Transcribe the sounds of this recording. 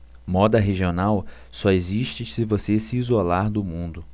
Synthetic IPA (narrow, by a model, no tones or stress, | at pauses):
mɔd̪ɐɦeʒionaw | sɔeziʃt͡ʃɪsɪvosesɪːzolaɾd̪ʊmũnd̪ʊ